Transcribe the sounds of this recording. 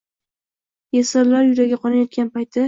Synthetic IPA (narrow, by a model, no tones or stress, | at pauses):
jasaɾlaɾjʊɾaɡʲaqʰɒnajɒt̪̚ɡʲanpajt̪ʰɪ